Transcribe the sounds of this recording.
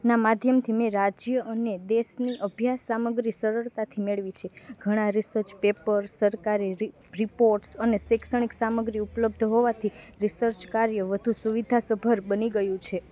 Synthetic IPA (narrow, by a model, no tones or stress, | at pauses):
namad̪ʱjəmt̪ʰimẽɾad͡ʒjəʔəned̪eʃniʔəbʱjasːaməɡɾisəɾəɭt̪at̪ʰimeɭʋit͡ʃʰeɡʱəɽ̃ãɾisəɾt͡ʃpepəɾsəɾkaɾiɾ | ɾipoɾʈsənesɛksəɳ̃iksaməɡɾiupləb̚d̪ʱɦoʋat̪ʰiɾisəɾt͡ʃkaɾjəʋəd̪ʱusuʋid̪ʱasəbʱəɾbəniɡəjũt͡ʃʰe